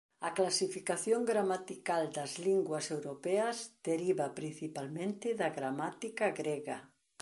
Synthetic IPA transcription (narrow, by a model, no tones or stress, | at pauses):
ɐklasifikaθjoŋɡɾamat̪ikald̪ɐzliŋɡwɐsewɾopɛɐzd̪̥eɾiβapɾin̟θipalmẽnt̪ɪðɐɣɾamat̪ikaɣɾɛɣa